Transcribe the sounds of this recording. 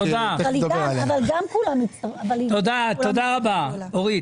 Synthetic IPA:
od̪aaavalɡamkulamiaavalt̪od̪aod̪aʁabaoʁi

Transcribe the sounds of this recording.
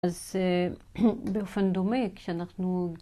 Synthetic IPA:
az | bfand̪omikʃanaχnu

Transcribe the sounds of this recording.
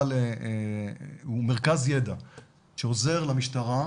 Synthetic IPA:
le | ume̞ʁkazjed̪a | ʃeoze̞ʁlamiʃtaʁa

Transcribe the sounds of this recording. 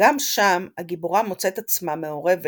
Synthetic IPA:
amʃamaɡiboʁamo̞t͡se̞t̪at͡smame̞o̞ʁe̞ve

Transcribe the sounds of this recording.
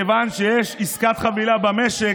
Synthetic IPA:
vanʃejeʃiskat̪χavilabameʃe

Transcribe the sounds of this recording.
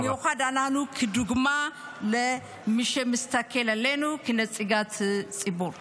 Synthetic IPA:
mɛwxʷad̪ananukʰɨd̪uɡma | lɐ | mɨʃemɨst̪ʰakʰːelɐlːenukʰɨnɐt͡sʼiɡat̪ʰt͡sʼibo

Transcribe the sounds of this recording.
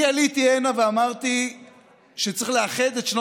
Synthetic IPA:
ialit̪ienaveamaʁt̪i | ʃet͡sʁiχleaχed̪et̪ʃno

